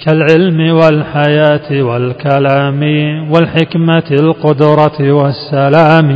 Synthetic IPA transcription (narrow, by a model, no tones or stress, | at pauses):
kalʕɪlmɪwalħajaːt̪ɪwalkalaːmɪwalħɪkmalqʊd̪ɾˤɑɪwasːalaːm